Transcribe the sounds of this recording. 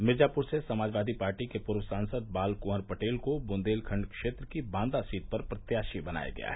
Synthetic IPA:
mɪd͡ʒaːpʊɾsesɐmaːd͡ʒʋaːd̪ʱipaːɾʈikepʊɾwəsãːnsəd̪̚baːlkʊəɾpɐʈeːlkobʊ̃nd̪eːlkʰə̃ɳɖkʃeːt̪ɾəkibãːnd̪asiːt̪̚pɐɾpɾɐt̪jaːʃibɐna̰ːja̰ɡɐ̰ja̰ɦɛ

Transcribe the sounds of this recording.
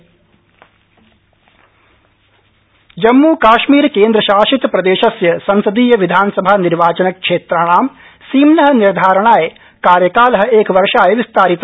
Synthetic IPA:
d͡ʒɐmːuːkaːʃmiːɾkeːnd̪ɾɐʃaːʃit̪pɾɐd̪eːʃɐsjɐsɐnsɐd̪iːjɐʋid̪ʱaːnɐsɐbʱaniɾʋaːt͡ʃɐnɐkʂeːt̪ɾaɳ̃aːm | siːmnɐɦɐ̆niɾd̪ʱaːɾɐɳ̃aːje | kaːɾjɐkaːlɐɦɐ̆eːkɐʋɐɾʂaːjɐʋist̪aːɾit̪

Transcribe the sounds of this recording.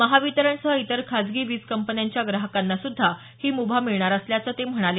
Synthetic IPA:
məɦaʋit̪əɾəɳsəɦəit̪əɾkʰad͡zɡiːʋiːskəmpənjaɲt͡ɕjaɡɾaɦəkanːasud̪ʱːa | hiːmubʱamiɭɳaɾəsljat͡sət̪em̤əɽ̃ale

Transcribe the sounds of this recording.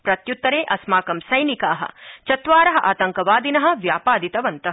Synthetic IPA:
pɾɐt̪jut̪ːɐɾeːʔɐsmaːkɐmsɐjnikaːɦɐ̰̆t͡ʃɐt̪ʋaːɾɐɦɐ̆ʔa̰ːt̪ɐŋkɐʋaːd̪inɐɦɐ̆ʋjaːpaːd̪it̪ɐʋɐnt̪ɐɦɐ

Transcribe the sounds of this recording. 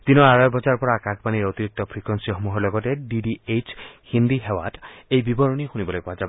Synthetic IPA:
d̪̥inɔaɾɔjɔbɔd͡ʒaɾpɔɾakakʰpaniɾot̪iɾik̚t̪ɔpʰɾikɔnsiɔmuɦɔlɔɡɔteɖiɖiet͡ʃhind̪iɦewa̰ʈejbibɔɾɔnixunibɔlojpɔad͡ʒab

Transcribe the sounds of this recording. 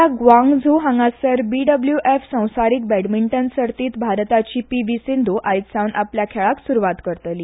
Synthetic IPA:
aɡʋãŋɡd͡zʱuɦãŋɡasəɾbiɖəbljuʔefsə̃w̃saɾiːk̚bɛɽmiɳʈənsəɾt̪iːt̪bʱaɾt̪at͡ɕiːpiʋisind̪ʱuʔajt̪sãwnapljakʰɛɭaksuɾuʋat̪kəɾt̪liː

